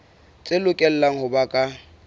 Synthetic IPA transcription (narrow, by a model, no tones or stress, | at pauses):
t͡sʼelʊkʼɛl̩laŋ̩hʊbakʼa